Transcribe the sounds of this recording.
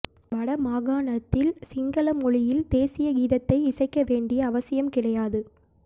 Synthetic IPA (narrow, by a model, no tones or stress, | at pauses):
ʋɐɽɐmaːɣaːɳɐt̪ːɪlsɪŋɡɐlɐmɔɭɪjɪld̪eːsɪjɐɡiːðɐt̪ːɐɪɪsɐɪkːɐʋeːɳɖɪjɐːʋɐsɪjɐmkɪɽɐjaːðɯ